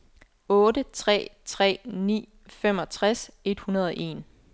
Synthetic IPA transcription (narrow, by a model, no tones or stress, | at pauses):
ɔ̽ːɾət͡sʰʁɛ̰ːt͡sʰʁɛ̰ːnḭː | fem̰ɒ̽t͡sʰʁase̝d̥hunɐð̞ˠɒʔe̝̰ːn